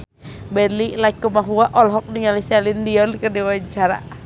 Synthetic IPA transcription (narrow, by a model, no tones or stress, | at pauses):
bɛlilajkumaɦuaʔɔlɦɔk̚niŋalisalindiɔnkədiwaɲt͡ʃaɾa̰